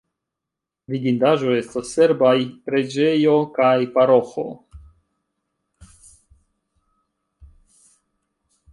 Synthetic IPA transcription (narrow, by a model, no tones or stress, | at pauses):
viɡindaʒo̞e̞stasːe̞ɾbajpɾe̞d͡ʒe̞jo̞kajpaɾo̞xo̰